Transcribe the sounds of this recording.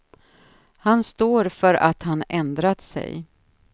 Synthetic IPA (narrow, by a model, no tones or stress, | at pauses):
hanst̪oːɾfœɾa̰t̪hanɛnd̪ɾat̪sɛ̰j